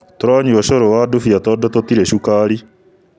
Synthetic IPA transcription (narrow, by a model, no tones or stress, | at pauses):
toɾaɲuɔʃoɾowadofiatɔdɔt̪ot̪iɾeʃukaːɾi